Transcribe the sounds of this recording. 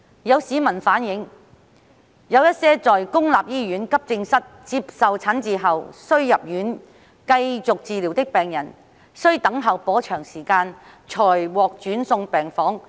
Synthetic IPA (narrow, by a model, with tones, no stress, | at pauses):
jɐ˨˧wsiː˨˧mɐ˨˩nfaː˨˥njɪ˨˥ŋ | jɐ˨˧wjɐ˥t̚sɛː˥t͡sɔː˨jkʊ˥ŋlaː˨p̚jiː˥jyː˨˥nkɐ˥p̚t͡sɪ˧ŋsɐ˥t̚t͡siː˧p̚sɐ˨wt͡sʰaː˨˥nt͡siː˨˧ɦɐ˨wsɵ˥ɥjɐ˨p̚jyː˨˥n | kɐ˧jt͡sʊ˨k̚t͡siː˨˧li˨˩wt̪ɪ˥k̚pɛː˨˩ŋjɐ˨˩n | sɵ˥ɥt̪ɐ˨˥ŋɦɐ˨˩wpɔː˨˥t͡ʃʰœː˨˩ŋsiː˨˩kaː˧n | t͡ʃʰɔː˨˩jwɔː˨k̚t͡ʃyː˨˥nsʊ˧ŋpɛː˨ŋfɔː˨˥ŋ